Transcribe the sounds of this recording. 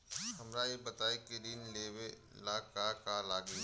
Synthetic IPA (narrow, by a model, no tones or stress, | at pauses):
ɦɐmɾajebɐt̪aːekɪɾiːnleːwe | laːkakalaːɡe